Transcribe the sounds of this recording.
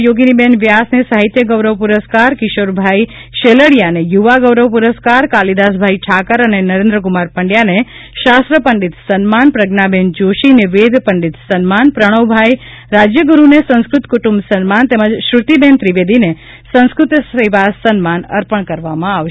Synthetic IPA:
joɡinibenʋjasnesaɦit̪jəɡəʋɾəʋpuɾəskaɾkɪʃoɾbʱaiʃeləɽijanejuʋaɡəʋɾəʋpuɾəskaɾkalid̪as̬bʱajʈʰakəɾənenəɾẽnd̪ɾəkumaɾpəɳɖjaneʃast̪ɾəpəɳɖit̪sənmanpɾəɡnabend͡ʒoʃineʋed̪ʱpəɳɖit̪sənmanpɾəɽ̃əʋbʱaj | ɾad͡ʒjəɡuɾunesə̃ñskɾʊt̪kuʈumbsənmant̪eməd͡ʒʃɾut̪ibent̪ɾiʋed̪ʱine | sə̃nskɾut̪əsəʋaːənmanə̰ɾpəɳ̃kəɾʋamãaʋʃ

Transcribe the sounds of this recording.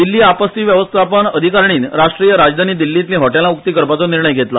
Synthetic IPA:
d̪ilːiːapəst̪iːʋjəʋəst̪ʰapəɳəd̪ʱikaɾɳiːnɾaʂʈɾijəɾad͡zd̪ʱaniːd̪ilːit̪lĩɦɔʈelaukt̪iːkəɾpat͡sɔniɾɳəjɡʱet̪la

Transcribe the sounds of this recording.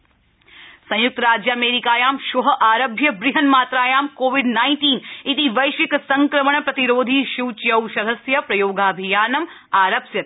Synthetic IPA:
sɐ̃j̃juk̚t̪ɐɾaːd͡ʒjaːmeːɾikaːjaːmʃuɦɐʔaːɾɐbʱjɐbɾiɦɐnmaːt̪ɾaːjaːmkoːʋiɖnaːɪnʈiːnit̪iʋɐjʃʋiksɐŋkɾɐməɳpɾɐt̪iɾoːd̪ʱiʃuwt͡ʃjɐwʃɐd̪ʱɐsjɐpɾɐjoːɡaːbʱijaːnɐm | aːɾɐpsjɐt̪̚

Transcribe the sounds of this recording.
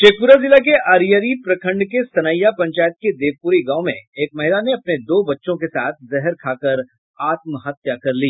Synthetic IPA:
t͡ʃeːpuɾazɪlak̬eʔaːɾijəɾipɾɐkʰə̃ɳɖkesɐnəjːapɐ̃ɲt͡ʃaːjət̪̚ked̪eːʋpuːɾiɡãːõmḛ̃eːk̚mɐɦɪlaneɐpned̪oːbɐtːʃõkesaːt̪̚ʰzɛɦɾkʰaːkəɾ | aːt̪mɦɐt̪jakɐɾliː

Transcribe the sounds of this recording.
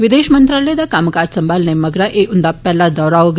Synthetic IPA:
ʋid̪eɕmənt̪ɾaled̪akaməkad̪səmbalnemːəɡɽaʔeʔund̪apːjalːad̪ɔɾaʋɡ

